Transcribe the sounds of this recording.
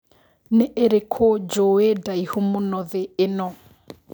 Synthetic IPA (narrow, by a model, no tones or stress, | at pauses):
neʔeɾekʰod͡ʒoedaihumʊnɔðeːnɔ